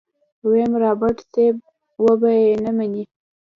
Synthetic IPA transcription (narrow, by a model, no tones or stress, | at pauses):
wemɾɑbaʈseb̚ | wəbajenamani